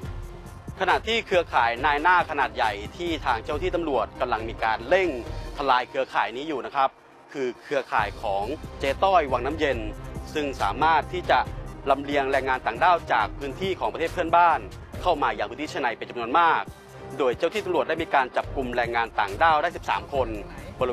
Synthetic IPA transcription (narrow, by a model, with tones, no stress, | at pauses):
kʰa˧na˨˩ʔt̪ʰːiː˥˩kʰɯ˧ɐkʰaː˩˦jnaː˧jnaː˥˩kʰa˧naː˨˩t̪̚ja˨˩jt̪ʰiː˥˩t̪ʰaː˧ŋt͡ɕa˥˩wt̪ʰiː˥˩t̪a˧mɾu˨˩ət̪̚ka˧mla˧ŋmiː˧kaː˧nle˥˩ŋt̪ʰa˧laː˧jkʰɯ˧ɐkʰaː˨˩˦jniː˦˥juː˨˩na˦˥kʰa˦˥p̚ | kʰɯː˧kʰɯ˧ɐkʰaː˨˩jkʰɔː˩˦ŋt͡ɕeː˧t̪ɔː˥˩jwa˧ŋnaː˦˥mje˧nsɯ˥˩ŋsa̰ː˩˦maː˥˩t̪ʰːiː˥˩t͡ɕa˨˩la˧mli˧əŋɾɛː˧ŋːaː˧nt̪aː˨˩ŋdaː˥˩wt͡ɕaː˨˩k̚pʰɯː˦˥nt̪ʰiː˥˩kʰɔː˩˦pɾʰeː˥˩pʰɯ˥˩ənbaː˥˩n | kʰa˥˩wmaː˧jaː˨˩ŋʰpʰɯ˧˦˥t̪iː˥˩a˥˧na˨˧jpe˧nt͡ɕa˧mnu˧ənmaː˥˩k̚ | doː˧jt͡ɕa˥˩wt̪iː˥˩a˧mɾu˨˩əda˥˩miː˧kaː˧nt͡ɕa˨˩p̚ku˧mɾɛː˧ŋːaː˧nt̪aː˨˩ŋdaː˥˩wdaː˥˩si˨˩psa̰ː˩˦mkʰo˧nbɔ˧l